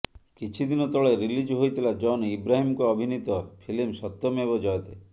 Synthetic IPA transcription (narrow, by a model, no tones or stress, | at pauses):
kit͡ʃʰid̪inɔt̪ɔɭeɾilid͡ʒɦojt̪ʰilad͡ʒɔnibɾaɦimɔkɔːbʱinit̪ɔpʰilimsɔt̪ːɔmebɔd͡ʒɔjt̪e